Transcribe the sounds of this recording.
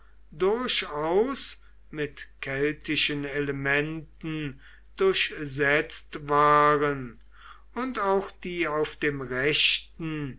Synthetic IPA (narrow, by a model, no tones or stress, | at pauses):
dʊɐʃaʊs | mɪtkʰɛltʰɪʃəneləmɛntn̩ | d̥ʊɐʃzɛt͡stvaːʁən | ʊntaʊxd̥iːaʊfd̥eːmʁɛʃtn̩